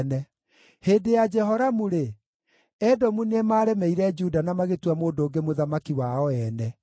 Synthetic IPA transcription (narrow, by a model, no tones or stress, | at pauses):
nɛ | heːdejad͡ʒɛɦɔɾamuɾe | ɛdɔmunemaːɾɛmɛiɾɛd͡ʒudanamaɣetwamoːndoːŋɡemoðamakiwaɔɛnɛ